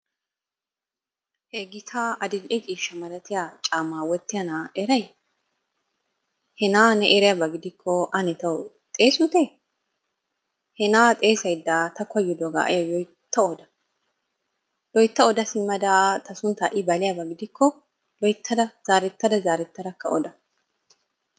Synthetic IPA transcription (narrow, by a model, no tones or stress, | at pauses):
heɡɪt̪ʰaːɐd̪ɪlʔɛkʼiːʃːɐmɐlɐt̪ɪjat͡ʃʼaːmaːwɔt̪ːɪjɐnaːʔɛɾɐj | hɛnaːnɛʔɛɾɪjabɐɡɪd̪ɪkʰːɔʔɐnɛt̪ɐw | t̪ʼeːsʊt̪e | hɛnaːt̪ʼe̞ːsɐjd̪ːat̪ɐkɔjːɪd̪ɔɡa̰ːʔɐ̰jɐjɔjt̪ːɐɔd̪ɐ | jɔjt̪ːɐɔd̪ɐsɪmːɐd̪aːt̪ʰɐsʊnt̪ɐʔɪbɐlɪjabɐɡɪd̪ɪkːɔ | lɔjt̪ʰːɐd̪ɐz̥aːɾɛt̪ːɐd̪ɐzaːɾɛt̪ːɐd̪ɐkːɐ̰ɔd̪ɐ